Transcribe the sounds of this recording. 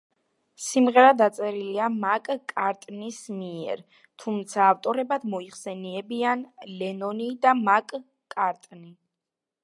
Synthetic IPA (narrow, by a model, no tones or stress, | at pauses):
simʁɛɾad̪at̪sʼɛɾiliamakʼkʼaɾt̪ʼnismiɛ̰ɾ | t̪ʰumt̪sʰaːft̪ʼɔɾɛbad̪mɔiχsɛniɛbianlɛnɔnid̪amakʼ | kʼaɾt̪ʼni